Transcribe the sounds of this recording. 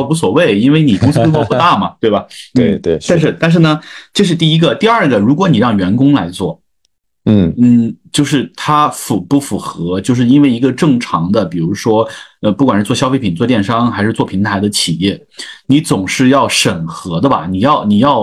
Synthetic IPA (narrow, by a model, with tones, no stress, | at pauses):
u˧˥s̬wɔ˨˩we˥˩ɪi˥nwe˥˩ɪni˨˩kʊ˥ŋsɹ̩˥wɔ˥pu˥˧t̪a˥˩mɐ˩t̪we˥˩ɪbɐ˩n̩˩t̪a˥˧nʂ̬ɻ̩˥˧t̪a˥˧nʂ̬ɻ̩˥˩nə˩ʈ͡ʂɤ˥˧ʂ̬ɻ̩˥˧t̪i˥˩i˥ɡə˨t̪i˥˧ɐ˞˥˧˩ɡə˩ɻu˧˥k̬wɔ˧˥ni˨˩ɻɑ˥˩ŋɥɛ˧˥nkʊ˥ŋla˧˥ɪt͡swɔ˥˩˥ | n̩˥˩t͡ɕjo˥˧ʊʂɻ̩˥˩t̪ʰa˥fu˨˩pu˥˩fu˨˩xɤ˧˥t͡ɕjo˥˧ʊʂɻ̩˥˩i˥nwe˥˩ɪi˧˥ɡə˧ʈ͡ʂɤ˥˩ŋʈ͡ʂʰɑ˧˥ŋd̪ə˧pi˨˩ɻu˧˥ʂwɔ˥ə˧pu˥˩kwnʂɻ̩˥˩t͡swɔ˥˩ɕjɑ˥fe˥ɪpʰi˨˩nt͡swɔ˥˧t̪jɛ˥˩nʂɑ˥ŋxa˧˥ɪʂɻ̩˥˧t͡swɔ˥˩pʰi˧˥ŋt̪ʰa˧˥ɪd̪ə˧t͡ɕʰi˨˩jɛ˥˩ni˧˥t͡sʊ˨˩ŋʂɻ̩˥˧jɑ˥˩ʊʂə˨˩nxɤ˧˥d̪ə˧bɐ̰˨˩ni˨˩jɑ˥˧ʊni˨˩jɑ˥˩ʊ